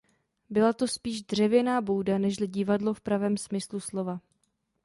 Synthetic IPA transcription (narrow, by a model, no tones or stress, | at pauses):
bɪlat̪ospiːʒdr̝ɛvjɛnaːbowdanɛʃlɪɟɪvadlofpɾavɛːmsmɪsluslo̞va